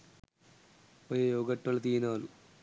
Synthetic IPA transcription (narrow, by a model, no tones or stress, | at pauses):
ɐjejoːɡɐʈːɐlɐt̪iːnaːlu